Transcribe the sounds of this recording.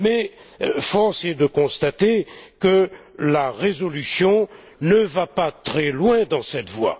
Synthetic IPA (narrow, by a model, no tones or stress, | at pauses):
mɛ | fɔʁsed̪əkɔ̃st̪at̪ekəlaʁezɔlysjɔ̃ | nəvapat̪χɛlwɛ̃d̪ɑ̃sɛt̪vwa̰